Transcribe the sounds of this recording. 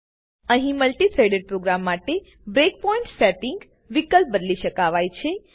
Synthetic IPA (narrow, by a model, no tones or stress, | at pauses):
əɦĩməlʈiseɖeɖ̚pɾoɡɾamːaʈe | bɾek̚pɔĩɳʈsɛʈɪ̃ŋɡ | ʋikəlp̚bəd̪liʃəkaʋajt͡ʃʰe